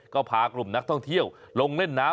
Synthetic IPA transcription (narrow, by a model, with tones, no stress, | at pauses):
kɔː˥˩pʰaː˨˩˦klu˨˩mna˦˥k̚t̪ʰɔ˥˩ŋt̪ʰi˥˩əwlo˧ŋle˥˩nːaː˦˥